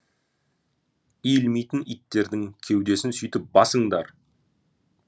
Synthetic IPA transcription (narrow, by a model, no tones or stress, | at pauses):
ijlmijt̪ɪnit̪ːe̞ɾd̪ɪŋkʲʰe̞wd̪e̞sɪnsʏjt̪ɪp̚bɑsəɴd̪ɑ̰ɾ